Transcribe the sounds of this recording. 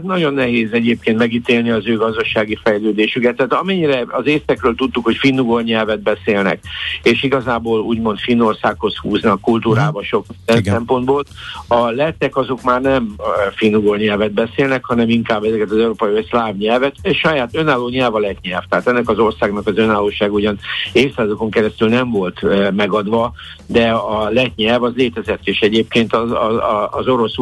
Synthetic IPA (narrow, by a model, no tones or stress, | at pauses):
ɛznɒɟo̞nːɛɦeːzɛɟeːp̚keːnt̪mɛɡit̪eːlniɒzøːɡɒzd̪ɒʃaːɡifɛjløːd̪eːʃykɛt̪ːɛaːt̪ɒmɛɲːiɾɛɒzeːsɛkrøːlt̪ut̪ːukho̞cfinːuɡorɲɛlvɛd̪̚bɛseːlnɛ̰k̚eːʃiɡɒzaːboːluːɟmo̞nt̪finːo̞rsaːkho̞shuːznɒkːult̪uːɾaːbɒʃo̞kɛsɛmpo̞nd̪boːlɒlɛt̪ːɛkɒzo̞kmaːrnɛmfinːuɡorɲɛlvɛd̪̚bɛseːlnɛkhɒnɛmiŋkaːbːɛzɛkɛt̪ɒzɛuɾoːpɒiøslaːvɲɛlvɛt̪ʃɒjaːt̪ønaːlːoːɲɛlvɒlɛt̪ɲɛlft̪ɛɦaːt̪ɛnːɛkɒzo̞rsaːɡnɒkɒzønaːlːoːʃaːɡuɟɒneːfsaːzoko̞ŋkɛɾɛst̪ylnɛɱvo̞lt̪mɛɡɒd̪ʋɒ | d̪ɛɒlɛt̪ɲɛlvɒzleːt̪ɛzɛt̪ːeːʃɛɟeːp̚keːnt̪ɒɒːzo̞ɾo̞s